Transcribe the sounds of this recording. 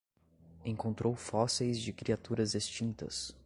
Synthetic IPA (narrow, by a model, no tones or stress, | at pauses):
ẽŋkõnt̪ɾowfɔsejzd͡ʒɪkɾiat̪uɾɐzest͡ʃĩnt̪ɐ̰s